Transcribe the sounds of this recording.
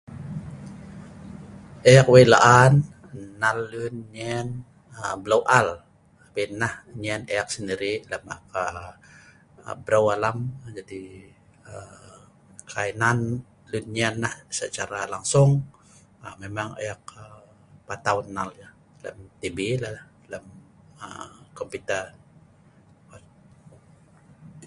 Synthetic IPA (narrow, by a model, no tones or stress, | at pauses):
ʔajakwela̰ʔanː | alːunɲɛn | əblawʔal | pinːahɲɛnejak̚səndiɾiləma̰ka | ə̰bɾawalamd͡ʒadi | ə | kʰainan | lunɲianlahsət͡ʃaɾalaŋsʊŋ | əmemaŋḛjak̚ə | pat̪aʊnːalja | lə̰mt̪ibilahh | ləm | ə̰kɔmput̪ər